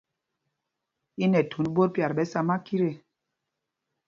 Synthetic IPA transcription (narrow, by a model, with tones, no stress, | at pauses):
i˦nɛ˨tʰu˨˦nbo˦ɾpja˨ɾbɛ˨˦sa˦ma˦ki˦ɾe˨